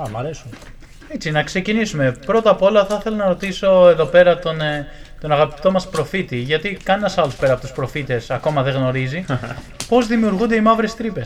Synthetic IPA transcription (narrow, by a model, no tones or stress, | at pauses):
ɐmɐɾesum | et͡sinɐkse̞cinisume̞pɾo̞t̪ɐpo̞lɐθɐθe̞lonɐɾo̞t̪iso̞e̞ðo̞pe̞ɾɐt̪o̞nt̪o̞nɐɣɐpi̥t̪o̞mɐspɾo̞fit̪iʝɐt̪ikɐnienɐsɐluspe̞ɾɐpo̞t̪uspɾo̞fit̪e̞sɐko̞mɐðe̞ɣno̞ɾizi | po̞zðimiuɾɣund̪e̞imɐvɾe̞st̪ɾipe̞s